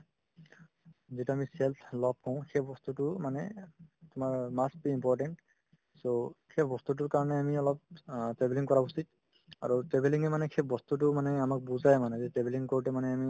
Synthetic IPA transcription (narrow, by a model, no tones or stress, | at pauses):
zituamisɛlsʰlɔb̚kɔ̃ʊ̃xebɔst̪utʊmanɛtʊmaɹmasbiimpɔɹʈɛnt | sokʰɛpʰbɔst̪ut̬ʊɹkaɹɔnɛamiɔlɔp̚tɹɛbeliŋkɔɹausit̚ | a̰ɹutɛbeliŋɛmanɛkʰɛpʰbɔst̪ut̬ʊmanɛamak̚buzajmanɛzɛtɹɛbeliŋkoɹtɛmanɛami